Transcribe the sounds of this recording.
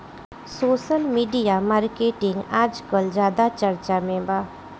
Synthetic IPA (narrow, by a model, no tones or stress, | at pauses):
soːʃəlmiːɖijamaːɾkeːʈɪ̃ŋɡaːd͡ʒkəld͡ʒjaːd̪at͡ʃəɾt͡ʃamẽbaː